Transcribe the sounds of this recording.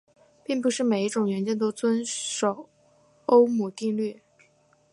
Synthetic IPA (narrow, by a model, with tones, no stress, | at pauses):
pi˥˧ŋp̬u˧˥ʂɻ̩˥˩me˨˩ɪi˥˩ʈ͡ʂʊ˨˩ŋɥɛ˧˥nt͡ɕɛ˥t̪̬o˥ʊt͡swə˥nʂo˨˩ʊ | o˥ʊmu˨˩t̪i˥˧ŋly˥˩